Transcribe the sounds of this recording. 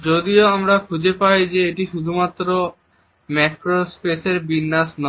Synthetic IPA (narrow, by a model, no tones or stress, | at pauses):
d͡ʑod̪ioamɾakʰud͡ʑepajd͡ʑeeʈiʃud̪ʱumat̪ːɾo | mɛkɾospeseɾbinːasnɔ